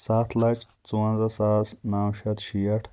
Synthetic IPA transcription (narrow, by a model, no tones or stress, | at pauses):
saːt̪ʰlɐt͡ʃ | t͡suɐnzɐsaːsnaːwʃɐt̪ʃijɐʈʰ